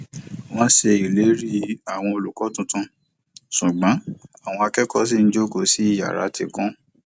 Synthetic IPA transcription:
w̃ɔ̃˦se˧i˨le˨˦ɾi˦a˨w̃ɔ̃˧o˨lu˨kɔ˨˦tũ˦tũ˧ | sũ˨ɡ͡bã˨˦a˨w̃ɔ̃˧a˧kɛ˦kɔ˦s̬i˦n̩˦d͡ʒo˦ɡo˦˨si˨˦i˦˨ja̰˨ɾa̰˨˦ti˧kɔ̃˦

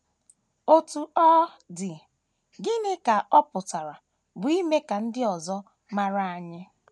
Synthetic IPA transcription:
o˦tu˨ɔ˦ | dɪ˨ | ɡɪ˦nɪ˦ka˨ʔɔ˦pʊ˨ta˨ɾa˨ | bʊ˨i˦me˦ka˨n̩˦dɪ˦ɔ˨zɔ˦ | ma˦ɾa˦a˨ɲɪ˦

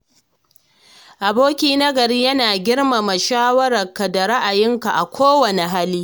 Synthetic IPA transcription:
ʔa˨boː˦kʲiː˦nɐ˦ɡɐ˨ɾiː˦jɐ˦naː˨ɡʲɪ˦rma˨mɐ˨ʃaː˦wɐ˦ɾɐ˨rkɐ˨da˨ɾɐ˦ʔa˨jɪ˦ŋka˨ʔa˨kʷʰoː˦wɐ˨ne˨ɦa˦liː˦

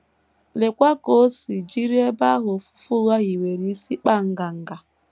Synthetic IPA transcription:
le˨kʷa˦ko˦si˨d͡ʒi˦ɾi˦e˦ba˦ɦʊ˨fʊ̥˦fu˦ɣa˦ɣi˨we˨ɾi˦si˦k͡pa˦˨ŋ̩˦ɡa˨ŋ̩˦ɡa˨

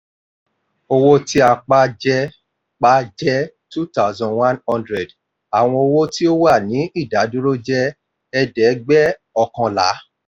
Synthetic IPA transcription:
o˧wo˦ti˦a˧k͡pa˦d͡ʒɛ˦ | k͡pa˦d͡ʒɛ˦ | tu˦ta˦zɔ̃˨nwã˦nhɔ̃˦ndɾɛ˨d | a˨w̃ɔ̃˧o˧wo˦ti˦o˦wa˦˨nĩ˨˦ʔi˦˨da˨˦du˦ɾo˦d͡ʒɛ˦ | ɛ˧dɛ˨˦ɡ͡bɛ˦ | ɔ˧kã˧la̰˨˦

